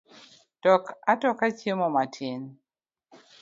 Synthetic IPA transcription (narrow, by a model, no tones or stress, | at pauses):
d̥ɔkatɔkat͡ʃemɔmatʰɪn